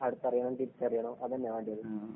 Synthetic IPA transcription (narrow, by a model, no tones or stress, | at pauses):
ɐɽut̪ːɐrijɐɳɐʈipt͡ɕːɐrijɐɳoːʔɐðɐnːeʋaːɳɖijɐðu